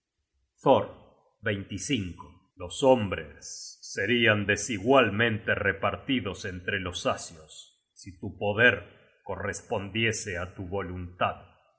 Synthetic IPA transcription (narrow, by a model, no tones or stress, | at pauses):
θoɾ | βejnt̪isiŋko | lo̞sombɾḛsːe̞ɾiand̪e̞siɣwalmẽ̞nt̪e̞repaɾt̪iðo̞se̞nt̪ɾe̞lo̞sasjosː | it̪upo̞ðeɾ | ko̞respo̞nd̪je̞seat̪uβo̞lunt̪að